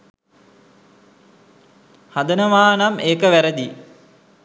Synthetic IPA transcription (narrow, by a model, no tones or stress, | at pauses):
had̪ənəʋaːnameːkəʋæɾəd̪i